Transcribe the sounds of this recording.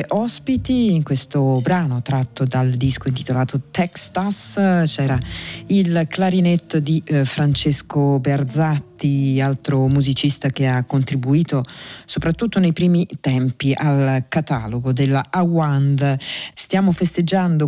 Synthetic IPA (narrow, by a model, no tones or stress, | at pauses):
ʔɔspit̪iːŋkwest̪obɾaːnot̪ɾat̪ːod̪ald̪iskoint̪i̥t̪olaːt̪ot̪ɛksast͡ʃɛːɾailklaɾinet̪ːod̪ifɾant͡ʃeskoberd̪zat̪ːialt̪ɾomuzit͡ʃist̪ak̟eakːont̪ɾibuiːt̪osopɾat̪ːut̪ːonejpɾiːmit̪ɛmpiʔalkat̪a̰ːloɡod̪elawand̪st̪jaːmofest̪ed͡ʒːand̪o